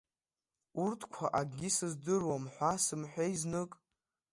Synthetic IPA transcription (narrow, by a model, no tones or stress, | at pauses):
urtʰkʷʰa̰ʔaɡʲisɨzdɨrwamħʷasɨmħʷᶣejznɨkʼ